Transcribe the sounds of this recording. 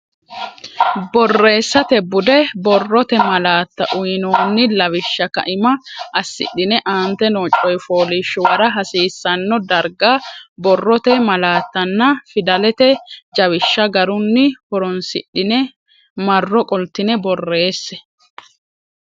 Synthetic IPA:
bɔrːe̞ːsːɐt̪ɛbʊd̪ɛbɔrːɔt̪ɛmɐlaːt̪ːɐʔʊjnoːnːɪlɐwɪʃːɐkɐ̰ʔɪmɐʔɐsːɪ̰ɗːɪnɛʔaːnt̪ːɛnoːt͡ʃʼːɔjfoːlɪʃːʊwɐɾɐɦɐsiːsːɐnːɔd̪ɐɾɡabɔrːɔt̪ɛmɐlaːt̪ːɐnːɐfɪd̪ɐlɛt̪ɛd͡ʒɐwɪʃːɐɡɐɾʊnːɪhɔɾɔnsɪ̰ɗːɪnɛ | mɐrːɔkʼɔlt̪ːɪnɛbɔrːe̞ːsːɛ

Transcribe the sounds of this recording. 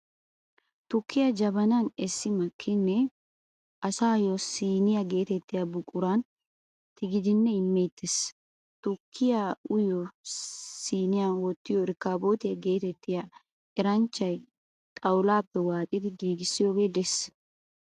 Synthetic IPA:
t̪ɔkːɪjɐd͡ʒɐbɐnɐnɛsːɪmɐkʰːɪnːɛ | ʔɐsaːjɔsiːnɪjɐɡe̞ːt̪ɛt̪ːɪjɐbʊkʼːʊɾɐn | t̪ɪɡɪd̪ɪnːɛɪmːeːt̪ːes | t̪ʊkʰːɪjaʊjo | siːnɪjawɔt̪ːɪjɔɪɾkaːboːt̪ɪjɐɡe̞ːt̪ɛt̪ːɪja | ɛɾɐnt͡ʃːɐj | t̪ʼɐwlaːpːɛwaːt̪ʼɪd̪ɪɡiːɡɪsːɪjoːɡeːd̪ɛs

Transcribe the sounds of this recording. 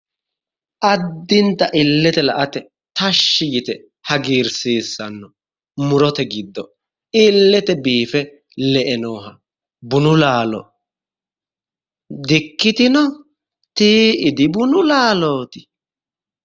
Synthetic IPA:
ʔɐd̪ːɪnt̪ɐʔɪlːɛt̪ɛlɐʔɐt̪ɛ | t̪ɐʃːɪjɪt̪ɛ | hɐɡiːɾseːsːɐnːɔ | mʊɾɔt̪ɛɡɪd̪ːɔ | ɪlːɛt̪ɛbiːfɛ | lɛʔɛnoːɦɐ | bʊnʊlaːlɔ̰ | d̪ɪkːɪt̪ɪnɔ | t̪iːɪd̪ɪbʊnʊlaːloːt̪ɪ̥

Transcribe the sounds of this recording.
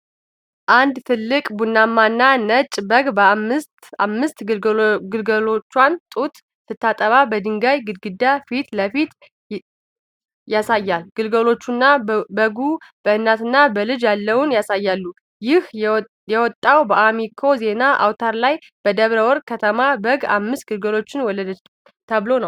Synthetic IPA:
ʔand̪t̪ʰɨlːɨkʼbunːamːanːanət͡ʃʼbəɡbəamɨst̪a̰mːɨst̪ɡɨlɡəlo̞t͡ʃːwant̪ʼut̪ | sɨt̪ʰːat̪ʼəβabəd̪ɨŋɡajɡɨd̪ɡɨd̪ːafit̪ləfit̪ | jasajːalɡ̥ɨlɡəlo̞t͡ʃːunːabəɡub̥əɨnːat̪ɨnːabəlɨd͡ʒjalːəwunjasajːalːu | jɪh | jɛwɔt̪ʼːawbəʔamikʰo̞ze̞naʔa̰wt̪ʰaɾlaj | b̥əd̪əβɾəwɔɾkʰət̪ʰəmabəɡa̰mːɨst̪̚ɡ̥ɨlɡəlo̞t͡ʃːɪnwɔlːəd̪ə | t̪ʰəβlo̞nəw

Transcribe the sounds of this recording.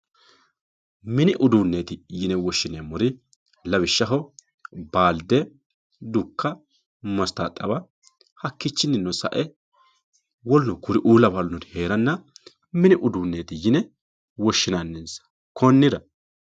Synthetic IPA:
mɪnɪʔʊd̪uːnːeːt̪ɪjɪnɛwɔʃːɪnɛmɔɾɪ | lɐbɪʃːɐɦɔ | baːld̪ɛ | d̪ʊkʰːɐ | mɐst̪at̪ʼːɐbɐ | hɐkːɪt͡ʃːɪnːɪnːɔsɐ̰ʔɛ | wɔlnɔkʊɾɪʔuːlɐbɐlnɔd̪heːɾɐnːɐ | mɪnɪʔʊd̪uːnːeːt̪ɪjɪnɛ | wɔʃːɪnanːɛnsɐ̥ | kʰɔnːɪd̪ɐ

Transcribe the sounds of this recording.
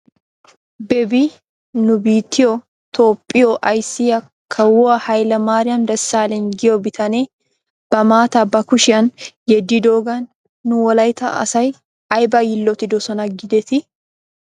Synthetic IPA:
bɛbi | nʊbiːt̪ːɪɔ | t̪oːpʼːɪjoʔɐjsɪjɐ | kʰːɐwɔɐhɐjlɐmaːɾɪjɐmd̪ɐsːaːlɛnɡɪobɪt̪ʰɐneː | b̥ɐmaːt̪ɐbɐkʊʃɪʔɐnjɛd̪ːid̪oːɡɐnː | ʊwɐlɐjt̪ɐ̰ʔɐ̰sɐj | ɐjbɐjɪlːɔt̪ɪd̪osɐnɐɡɪd̪ɛt̪ɪ

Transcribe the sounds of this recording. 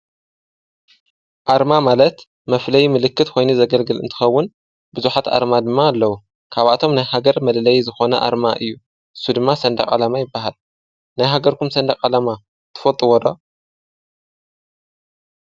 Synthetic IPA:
ʔaɾmamalɐt̪ | mɐflɐjmɨlɨkːɨt̪kʰo̞jnuzɐɡɐlɡɨlɨ̰nt̪ʰɨ̥xɐwːʊn | bɨzuħat̪a̰ɾmad̪ɨmːaːlːɐwu | kʰaβat̪ʰo̞mnajhaɡɐɾmɐllɐjzɨxo̞nɐʔa̰ɾmaʔɨjːu | ʔɨsːud̪ɨmːasɐnd̪ɐkʼa̰lamajɪbːaɦal | najɦaɡɐɾkumsɐnd̪ɐkʼalama | t̪ʰɨ̥fɐt̪ʼɨwɔd̪o

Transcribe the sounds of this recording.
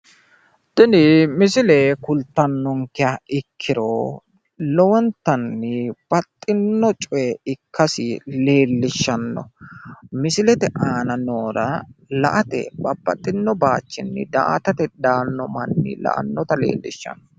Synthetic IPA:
d̪̥ɪnɪmɪsɪleːkʊlt̪ːɐnːɔŋkɪaɪkʰːɪɾo | lɔwɐnt̪ːɐnːɪb̥ɐt̪ʼːɪnːɔt͡ʃʼɔɛɪkʰːɐsɪle̞ːlːɪʃːɐnːɔ̰ | mɪsɪlɛt̪ɛʔaːnɐnoːɾɐlɐ̰ʔɐt̪ɛ̰bɐbːɐt̪ʼːɪnːɔbaːt͡ʃːɪnːɪ̰d̪a̰ʔt̪ɐt̪ɛd̪aːnːɔmɐnːɪ̰lɐ̰ʔɐ̰nːɔt̪ɐlḛːlːɪʃːɐ̰nːɔ

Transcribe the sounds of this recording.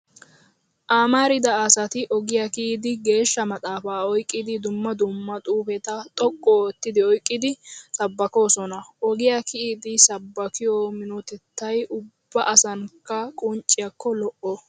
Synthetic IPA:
ʔaːmaɾɪd̪ɐɐsɐt̪ɪʔɔɡɪjakɪʔiːd̪ɪɡe̞ːʃːɐmɐt̪ʼaːfaːɔjkʼːɪd̪ɪd̪ʊmːɐd̪ʊmːɐt̪ʼuːfɛt̪ɐt̪ʼɔkʼːɔt̪ːɪd̪ɪɔjkʼːɪd̪ɪsɐbːɐko̞ːsɔnɐʔɔɡɪjakɪʔid̪ɪsɐbːɐkɪjoːmɪnɔt̪ɛt̪ːɐjʔʊb̥ːɐʔɐsɐŋkːɐkʼʊnt͡ʃʼːɪjɐkːɔlɔʔɔ

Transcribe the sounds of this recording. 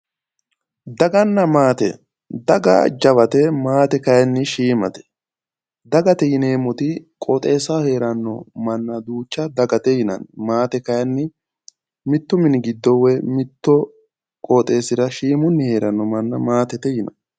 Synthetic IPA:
d̪ɐɡɐnːɐmaːt̪ɛ̰ | d̪ɐɡɐ̰d͡ʒɐβɐt̪ɛmaːt̪ɛkɐjɐnːɪʃiːmɐt̪ɛ̥ | d̪ɐɡɐt̪ɛjɪne̞ːmɔt̪ɪkʼɔt̪ʼe̞ːsahe̞ːɾɐnːɔmɐnːɐd̪uːt͡ʃːɐd̪ɐɡɐt̪ɛjɪnɐ̰nmaːt̪ɛkɐjɐnːɪ | mɪt̪ːʊmɪnɪɡɪd̪ːɔwɛmɪt̪ːɔ | kʼɔt̪ʼe̞ːsɪɾɐʃiːmʊnːɪhe̞ːɾɐnːɔmɐnːɐmaːt̪ɛt̪ɛjɪnɐ̰n

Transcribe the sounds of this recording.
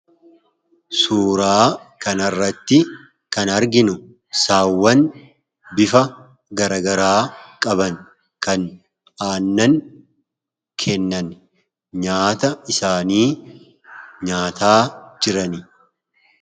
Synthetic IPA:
suːɾaː | kɐnɐrːɐt̪ːɪ | kɐnɐɾɡɪnʊ | saːwːɐn | bɪfɐ | ɡɐɾɐɡɐɾaːkʼɐbɐŋ | kɐn | aːnːɐŋ | kʰɛnːɐn | ɲaːt̪ɐɪsaːniː | ɲaːt̪aːd͡ʒɪɾɐnɪ

